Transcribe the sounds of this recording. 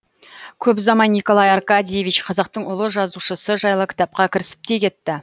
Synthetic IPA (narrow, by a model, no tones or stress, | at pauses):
kʲʰɵpzɑmɑjnikolˠɑjɑɾkɑd̪ʲijevit͡ʃqʰɑzɑq̚t̪əɴʊlˠəʒɑzuʃəsəʒɑjlˠəkʲɪ̥t̪ɑp̚qɑkʲʰɪɾɪsɪ̥p̚t̪e̞kʲe̞t̪ːɪ